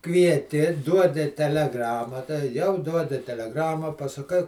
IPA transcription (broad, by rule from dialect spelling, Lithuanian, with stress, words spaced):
kʋʲiɛˈtʲɪ ˈduɔdʲɪ tʲɛlʲɛˈɡrɑːmɐ tɐ ˈjɛʊ ˈduɔdʲɪ tʲɛlʲɛˈɡrɑːmɑː pɐsɐˈkɐɪ